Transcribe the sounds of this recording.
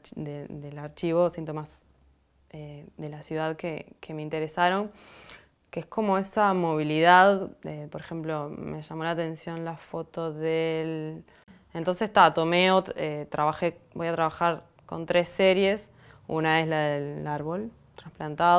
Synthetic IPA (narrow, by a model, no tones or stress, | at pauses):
d̪ed̪elaɾt͡ʃiβo̞sint̪o̞mas | eðe̞lasjuð̞aðkekʰe̞me̞int̪e̞ɾesaɾo̞ŋ | keesko̞mo̞esamo̞β̞iliðaðepo̞ɾexe̞mplo̞me̞ʒamo̞laːt̪e̞nsjo̞nlafo̞t̪o̞ðel | ent̪o̞nsest̪at̪o̞meoet̪ɾaβaxebo̞jat̪ɾaβaxaɾ | ko̞̰nt̪ɾe̞sːeɾje̞s | ṵnae̞slaðeaɾβo̞l | t̪ɾãnsplant̪a